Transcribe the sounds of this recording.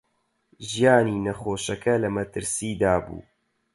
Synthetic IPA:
ʒijaːniːnɐxoːʃɐkɐlɐmɐt̪ɨɾsiːd̪aːbṵː

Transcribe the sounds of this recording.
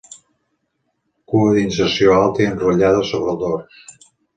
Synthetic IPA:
kuəðinsəɾsioalˠt̪əənruʎað̞əsoβɾəlˠd̪ors

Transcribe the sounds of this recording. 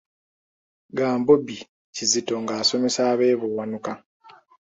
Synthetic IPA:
ɡaːmbobi | cizito̞ŋɡaːso̞me̞saːβe̞ːβowanuka

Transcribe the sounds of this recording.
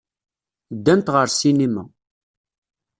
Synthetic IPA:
d̪ːænt̪ʁəɾsinimæ̰

